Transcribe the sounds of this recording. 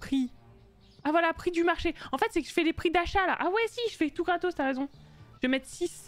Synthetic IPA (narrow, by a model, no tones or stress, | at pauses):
χi | avwalapχid̪ymaʁʃeɑ̃fɛt̪sɛkəʒəfɛlepχid̪aʃalaʔawɛsiʒəfɛt̪uɡʁat̪ost̪aʁezɔ̃ | ʒ̥vemɛt̪χsis